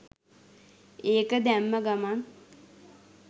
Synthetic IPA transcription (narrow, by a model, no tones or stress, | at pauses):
eːkəd̪æmːəɡaman